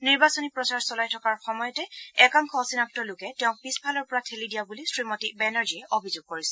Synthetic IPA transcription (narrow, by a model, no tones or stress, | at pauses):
niɹbasɔnipɹɔsaɹsɔlajtʰɔkaɹxɔmɔjɔtɛɛkaŋkʰɔɔsinap̚tɔlʊkɛtɛʊ̃pispʰalɔɹpɔɹatʰelidijabulisɹimɔtibɛnaɹziɛʔobʱizoɡ̚koɹisɛ